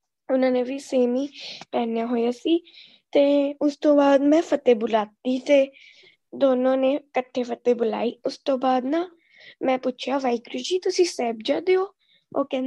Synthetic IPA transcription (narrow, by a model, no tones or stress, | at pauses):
ʊnãːneːʋiːseːmiːpɛːnjaːɦoːjaːsiː | t̪eːʊst̪õːbaːd̪mɛ̃ːpət̪eːbʊlaːt̪iːt̪eː | d̪oːnõːneːkəʈʰːeːpʰət̪eːbʊla̰ːiːʊst̪õːbaːd̪nãː | mɛ̃ːpʊt͡ʃʰjaːʋaːikɾiːd͡ʒiːt̪ʊsĩːsɛːb̚d͡ʒaːd̪eoː | oːkɛ̃ːn